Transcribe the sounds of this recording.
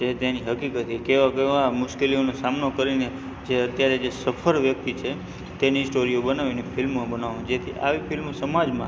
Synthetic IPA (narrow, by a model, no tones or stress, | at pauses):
t͡ʃet̪eniɦəkikət̪ikeʋakeamʊʃkelionosamnokəɾine | d͡ʒeət̪jaɾed͡ʒesəfʰəɾʋjək̚t̪it͡ʃʰe | t̪enisʈoɾiobənaʋinefʰɪlmːãbənaʋũd͡ʒet̪ʰiʔa̰ʋifɪlmsəmad͡ʒmã̰